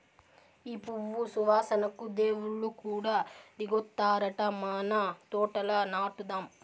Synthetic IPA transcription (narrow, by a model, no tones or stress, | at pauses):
iːpuʋːusuʋaːsɐnɐkːud̪eːʋuɭukuːɽad̪iɡot̪ːaːɾɐʈɐmaːnat̪oːʈɐlɐnaːʈud̪aːm